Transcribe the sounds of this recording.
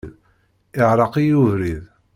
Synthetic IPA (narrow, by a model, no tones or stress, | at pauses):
ð | ɪʕɾˤɑqijuvɾið